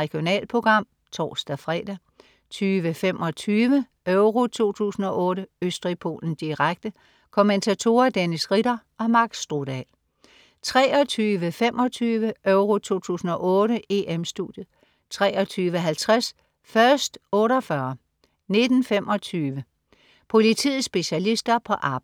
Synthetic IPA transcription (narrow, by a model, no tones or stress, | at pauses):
ʁɛɡ̥ijo̝nɛ̰ːlpʰo̝ɡ̥ʁɑ̈m̰ | t͡sʰɒ̰ːsd̥æfʁɛ̰ːd̥æ | t͡sʰyːʋəfem̰ʔɒ̽t͡sʰyːʋə | øʊʁo̝t͡sʰo̝̰ːt͡sʰṵːsn̩ɒ̽ʔɔ̽ːɾəøsd̥ʁipʰo̝̰ːln̩sd̥iʁaɡ̥̚d̥ə | kʰoment͡sʰæt͡sʰo̝̰ːɐd̥enisʁidɐ | ɒ̽mɑ̈ɡ̥sd̥ʁod̥ɛ̰l | t͡sʰʁɛːɒ̽t͡sʰyːʋəfem̰ʔɒ̽t͡sʰyːʋəøʊʁo̝t͡sʰo̝̰ːt͡sʰṵːsn̩ɒ̽ʔɔ̽ːɾəe̝ʔemsd̥ud̥jð̩ˠ | t͡sʰʁɛːɒ̽t͡sʰyːʋəɦælt͡sʰʁas | fɶɐsd̥ɔ̽ːɾɒfɶɐ | ne̝d̥n̩fem̰ʔɒ̽t͡sʰyːʋə | pʰo̝lit͡sʰið̩ˠsb̥e̝ɕælisd̥ɐpʰɒ̽ʔɑ̈b̥